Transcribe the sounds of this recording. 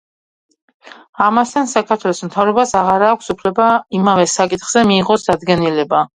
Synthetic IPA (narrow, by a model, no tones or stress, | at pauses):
amast̪ʰansakʰaɾt̪ʰwɛlˠɔsmt̪ʰavɾɔbasaʁaɾaːkʷʰsupʰlɛbaimavɛsakʼit̪ʰχz̥ɛmiːʁɔsd̪ad̪ɡɛnilɛba